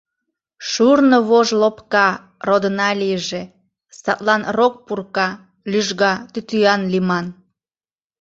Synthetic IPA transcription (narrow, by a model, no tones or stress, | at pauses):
ʃurnoβoʒlopkɑ | rod̪ənɑliəʒe | sɑt̪lɑnrok̚purkɑ | lyʒɣɑt̪yt̪yɑnlimɑn